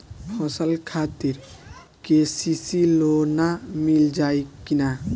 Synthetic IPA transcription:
pʰɔsəlkʰaːt̪iɾ | kesisilonamild͡ʒaːikina

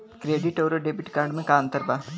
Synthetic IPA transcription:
kɾeːɖɪʈoːɾoɖeːbɪʈkaːɾɖmẽkaːnt̪əɾbaː

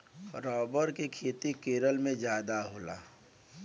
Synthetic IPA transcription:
ɾɔːbəɾkekʰeːt̪ikeːɾəlmẽd͡ʒjaːd̪aɦoːla̰ː

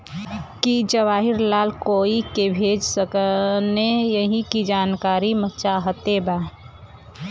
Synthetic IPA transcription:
kid͡ʒəʋaːɦiɾlaːlkoikebʱed͡ʒsəknejəɦikid͡ʒaːnkaːɾimət͡ʃaɦət̪eba

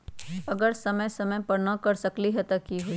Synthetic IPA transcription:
ɐɡəɾsɐməjsɐməjpɐɾnakɐɾsɐkliɦɛt̪ɐkiɦoi

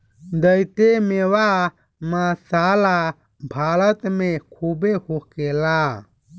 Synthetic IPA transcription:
d̪əjt̪emeːwaː | mãːsaːla | bʱaːlət̪mẽkʰuːbehokeːlaː

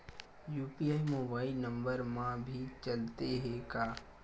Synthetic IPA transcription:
juːpiaːimoːbaːɪlnə̃mbəɾmãbʱit͡ʃəlt̪eɦekaː

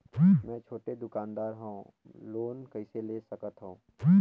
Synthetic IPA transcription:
mɛ̃t͡ʃʰoːʈed̪ʊkaːnd̪aːɾɦõ | loːnkɐiseleːsɐkət̪ɦõː

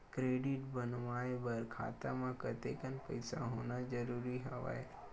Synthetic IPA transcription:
kɾeːɖɪʈbənʋaːebəɾkʰa̰ːt̪amãkət̪ekənpəɪsaɦoːnad͡ʒəɾuːɾiɦəʋa̰ːe

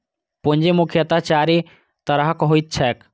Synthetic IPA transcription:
pond͡ʒemukʰjət̪at͡ʃaːɾi | t̪əɾəɦəkɦoit̪̚t͡ʃʰɛk

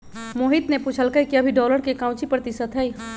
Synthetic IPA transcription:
moːɦit̪nepuːt͡ʃʰəlkɐjkiɐbʱiɖɔːləɾkekãʊ̃t͡ʃipɾət̪ɪsət̪ɦəi

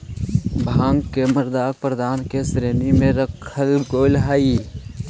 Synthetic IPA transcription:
bʱãːŋɡkeməɾd̪aːk̚pɾəd̪aːnkesɾeːnimẽɾəkʰəlɡoːɪlɦaːi

